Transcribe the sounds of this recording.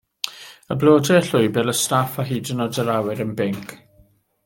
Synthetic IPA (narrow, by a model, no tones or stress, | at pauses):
ə̰blˠoːdɛəɬʊɨbɛlˠəstafaɦiːdənɔdəɾawɪɾənbɪŋkʰ